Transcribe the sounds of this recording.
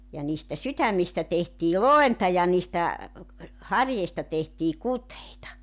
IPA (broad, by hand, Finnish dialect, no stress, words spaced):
jɑ niːstæ sytæmːistæ tehtiː loentɑ jɑ niːstæ hɑrjeistɑ tehtiː kuteitɑ